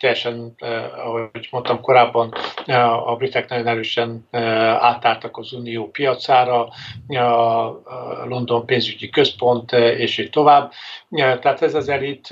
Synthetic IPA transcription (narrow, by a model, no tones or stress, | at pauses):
t̪ɛjːɛʃɛnɒ̰ɦoɟmo̞nt̪ɒmko̞ɾaːbːɒn | ɒ̰brifɛknɒjo̞nɛɾøːʃɛna̰ːt̪aːlt̪ɒkɒzuːnijoːpijɒt̪saːɾɒ | lo̞nd̪o̞mpeːnzyɟikø̞spo̞nt̪eːʃiːt̪t̪ːo̞vaːbːt̪ɛat̪ɛzɛzɛlit̪